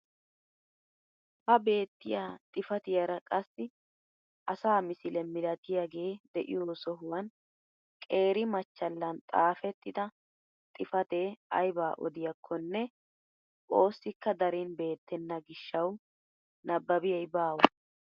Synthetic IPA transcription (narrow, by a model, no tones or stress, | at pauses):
hɐbe̞ːt̪ːɪjaːt̪ʼɪfɐt̪ɪjɐɾɐkʼɐsːɪ | ʔɐsaːmɪsɪlɛmɪlɐt̪ɪjaɡe̞ːd̪ɛʔɪ̰joːsɔɦʊwɐn | kʼe̞ːɾɪmɐt͡ʃːɐlːɐnt̪ʼaːfɛt̪ːɪd̪ɐ | t̪ʼɪfɐt̪e̞ːɐ̰jbaːʔɔ̰d̪ɪjɐkʰːɔnːɛ | o̞ːsːɪkːɐd̪ɐɾiːnbe̞ːt̪ːɛnːɐɡɪʃːɐw | nɐbːɐbɪjɐjbaːwɐ